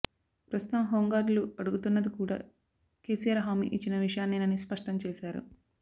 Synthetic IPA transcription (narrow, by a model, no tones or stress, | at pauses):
pɾɐst̪ut̪ɐmɦoːŋɡaːɾluɐɽuɡut̪unːɐd̪ikuːɽa̰ː | ke̞ːsijɐɾɦaːmḭʔit͡ʃːinɐʋiʂɐjaːnːinɐnispɐʂʈɐmt͡ʃeːʃaːɾṵ